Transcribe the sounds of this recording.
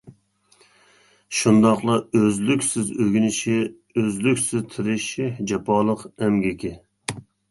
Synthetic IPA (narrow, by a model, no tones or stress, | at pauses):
ʃund̪ɑqlˠɑøzlykʲsɪzøɡʲynɪʃɪ | øzlykʲsɪzt̪ʰɪɾɪʃɪd͡ʒɛpʰɑlˠəqɛmɡʲɪkʲɪ